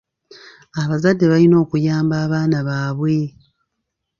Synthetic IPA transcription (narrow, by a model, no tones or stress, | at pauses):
aβazadːe̞βalino̞ːkujaːmbaːβaːnaβaːβwe̞